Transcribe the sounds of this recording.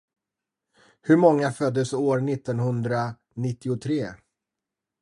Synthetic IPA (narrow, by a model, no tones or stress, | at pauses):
hɵɾmɔŋːafœd̪ːəsoːɾnɪt̪ːɔnhɵnd̪ɾa | nɪt̪ːɪʊt̪ʰɾeː